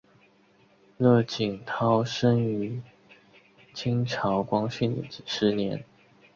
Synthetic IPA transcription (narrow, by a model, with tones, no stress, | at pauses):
lɤ˥˩t͡ɕi˨˩ŋt̪ʰɑ˥ʊʂə˥ŋy˧˥ | t͡ɕʰi˥ŋʈ͡ʂʰɑ˧˥ʊkwɑ˥ŋɕy˥˩nd̪ə̰˨˩t͡ɕi˨˩ʂɻ̩˥njɛ˧˥˦n